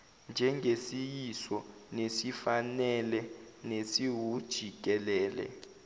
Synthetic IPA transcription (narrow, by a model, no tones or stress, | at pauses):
nd͡ʒʱɛŋɡʱesijisɔnesifanɛlɛnesiwud̥ʒ̥ʱik̬ʼɛlɛːlɛ̰